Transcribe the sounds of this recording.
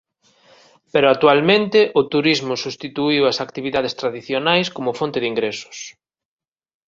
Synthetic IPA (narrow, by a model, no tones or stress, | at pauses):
peɾʊak̚t̪ualmẽnt̪ɪʔʊt̪uɾizmʊsust̪it̪uiwɐsakt̪iβiðað̞est̪ɾaðiθjonajskomʊfont̪ɪðiŋɡɾesʊ̥s